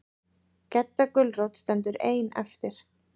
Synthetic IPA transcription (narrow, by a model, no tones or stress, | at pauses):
cɛt̪ːakʏlrowt̪st̪ɛnt̪̬ʏɾeːjnɛ̰ft̪ɪɾ̥